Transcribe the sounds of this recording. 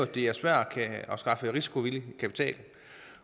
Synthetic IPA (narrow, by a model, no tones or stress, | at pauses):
d̥e̝æɐsʋæɐ̰̥ɒkʰæɒ̽sɡ̥ɑ̈fəʁisi̥kʰo̝ʋiləkʰæpʰi̥t͡sʰɛ̰ːl̩